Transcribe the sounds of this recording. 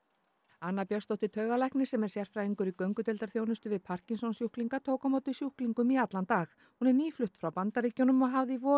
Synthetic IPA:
anːapjœst̪ɔwht̪ɪt̪ʰœːɥɣalajhknɪ̥sɛmɛɾ̥sjɛr̥fɾaːiŋkʏɾikœɥŋkʏt̪ɛlt̪aɾ̥θjownʏst̪ʏvɪðpʰar̥cinsɔnsjuhkliŋkat̪ʰoːwkamawt̪ɪsjuhkliŋkʏmiat̪lant̪aːx | hunɛɾniːflʏht̪fɾawpant̪aɾriːcjownʏmɔɣɦavðɪivɔː

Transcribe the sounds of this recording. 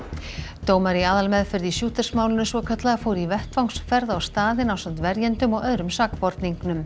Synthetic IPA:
t̪oːwmaɾiaːðalmɛðfɪɾðisjuːt̪ɪrsmaːwlɪnʏsvɔkʰœt̪laɣafoːwɾivɛht̪vawŋksfɛɾðawst̪aːðɪnawsœm̥t̪vɛɾjɛnt̪ʏmɔɣœðɾʏmsakpɔɾt̪niŋknʏm

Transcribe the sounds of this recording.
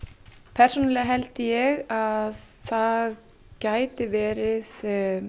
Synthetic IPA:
pʰɛr̥suːnalɪaɦɛlt̪ɪjɛɣaðθað | caːjt̪ɪvɛːɾɪð

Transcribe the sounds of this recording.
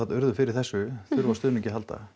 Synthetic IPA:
at̪ʏɾðʏfɪɾɪɾ̥θɛsːʏθʏɾvast̪ʏːnɛcɪɦalt̪a̰

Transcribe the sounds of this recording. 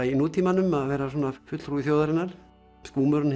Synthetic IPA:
inuːt̪ʰiːmanʏmaðvɛːɾasɔːnafʏt̪l̥fɾuiθjoːwðaɾɪnaɾ̥ | skuːmœɾn

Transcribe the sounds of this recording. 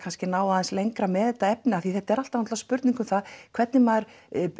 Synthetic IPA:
kʰanscɪnaːwðaːðɛnslejŋkɾamɛːðɛt̪ːaɛpnɪaθiθɛht̪ːɛɾal̥t̪anat̪laspʏɾt̪niŋkʏmθaðkʰvɛt̪nɪmaðɾ

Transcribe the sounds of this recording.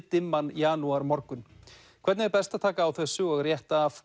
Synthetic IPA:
t̪ɪmːanjaːnuaɾmɔɾkʏn | kʰvɛɾt̪nvɪɾpɛst̪at̪ʰaːkaːwθɛsːʏɔɣrjɛht̪aːf

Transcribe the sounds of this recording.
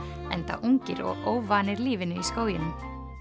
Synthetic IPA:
ɛnt̪a̰ʔuŋcɪɾɔ̰ɣoːwvaːnɪɾliːvɪnʏiskoːwjɪnʏm

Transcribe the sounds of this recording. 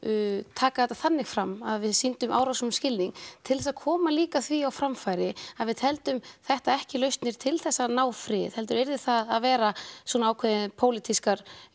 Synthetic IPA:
t̪ʰaːkaθɛt̪aθanːɪɣfɾamːaðvɪðsint̪ʏmʔawɾawsʏmscɪlniŋt̪ʰɪlɛsaðkʰɔːmaliːkaθviawfɾamfajɾɪaðvɪðhɛlt̪ʏmθɛht̪aɛhcɪlœɥst̪nɪɾ̥t̪ʰɪlθɛsːanaːwfɾɪ̥ːhɛlt̪̬ʏɾejɾðɪ̥θaðaðvɛːɾaswɔnaaːwkʰvɛðɪnpʰoːwlɪt̪ʰiskaɾ̥

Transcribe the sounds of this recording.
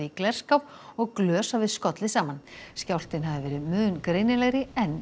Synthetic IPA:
iklɛr̥skawv | ɔɣklœːsavɪðskɔt̪lɪsaːmanscawl̥t̪ɪnɦavðɪvɛːɾɪðmʏːðnkɾeːjnɪlɛɣɾɪɛnː

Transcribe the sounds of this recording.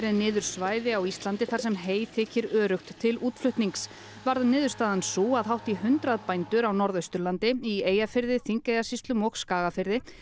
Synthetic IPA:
ɾɪnɪːðʏɾ̥svaːjðɪawist̪lant̪ɪθḁsɛmɦeːjθʰɪːcɪɾœːɾʏxt̪ʰːɪluːt̪flʏht̪niŋks | vaɾðnɪːðʏɾst̪aːðansuːaðɦawht̪ihʏnt̪ɾaðpajnt̪ʏɾawnɔɾðœst̪ʏɾlant̪ɪieːjafɪɾðɪθiŋkajɣasist̪lʏmɔkskaːɣafɪɾðɪ

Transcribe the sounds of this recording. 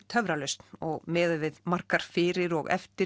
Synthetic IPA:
t̪ʰœvɾalœɥst̪nɔɣmɛːðʏvɪðmar̥kaɾ̥fɪːɾɪɾɔ̰ɣɛ̰ft̪ɪ

